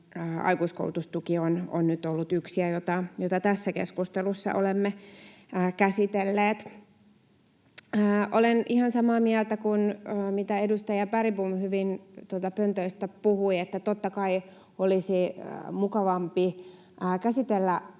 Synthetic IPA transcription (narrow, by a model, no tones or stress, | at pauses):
ɑ̰ikuisko̰ult̪ust̪ukiono̰nnyt̪olːut̪yksiæjot̪ɑjot̪ɑt̪æsːækḛskust̪elusːɑ̰ʔolemːeː | kæsit̪elːeːt̪ | ʔolenʔihɑnsɑmɑːmiælt̪ækunːmit̪æedust̪ɑjɑpæripumhyʋint̪uot̪ɑpønt̪øist̪æpuhuiet̪ːæt̪ot̪ːɑkɑi | olisḭmukɑʋɑmpi | kæsit̪elːæ